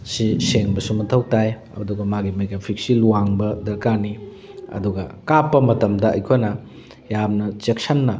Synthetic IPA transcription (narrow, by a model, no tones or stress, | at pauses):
siseŋbɐsumɐtʰɐwtaj | ɐ̰duɡɐmaɡimeɡapʰik̚siluwaŋbɐdɐkani | ɐ̰duɡɐkapːɐmɐtɐmdɐɐ̰jkʰonɐ | jamnɐt͡ʃek̚sanːɐ